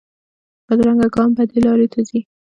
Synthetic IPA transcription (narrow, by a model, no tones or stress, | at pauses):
bəd̪ɾaŋɡaɡɑmbad̪elɑɾet̪ʰazi